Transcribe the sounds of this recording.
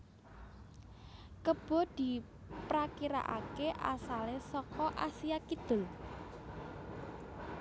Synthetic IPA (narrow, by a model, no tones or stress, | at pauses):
kəb̥ɔ̤d̪̥i̤ | pɾakiɾa̰ʔa̰keʔa̰salesɔkɔʔasijakid̪̥ʊ̤l